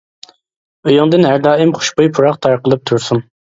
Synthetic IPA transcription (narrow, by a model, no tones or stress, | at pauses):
øjɑŋd̪ɨnɦæɾd̪ɑːɪmχʊ̥ʃbojpʰuɾɑqt̪ʰɑɾqəlˠɨp̚t̪ʰuɾsun